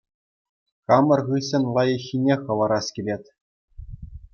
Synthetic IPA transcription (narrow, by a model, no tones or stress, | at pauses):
kɑmɤ̆rʁɯɕɘ̆nʲlˠɑjɤ̆xʲːinʲeχɤ̆ʋɤɾɑskʲilʲetʲ